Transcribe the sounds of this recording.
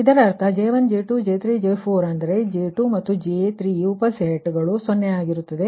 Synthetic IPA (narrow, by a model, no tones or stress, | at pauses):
id̪ɐɾɐɐɾt̪ʰɐd͡ʒeːʋɐnd͡ʒeːʈud͡ʒeːt̪ɾid͡ʒepʰoːɾɐnd̪ɐɾe̞d͡ʒeːʈumɐt̪ːud͡ʒet̪ɾijuːpɐseːʈɡɐɭusonːeaːɡiɾut̪ːɐd̪e̞